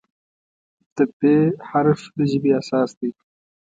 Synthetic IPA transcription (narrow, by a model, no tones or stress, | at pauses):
t̪əpehaɾfləʒɪbiasɑːsd̪i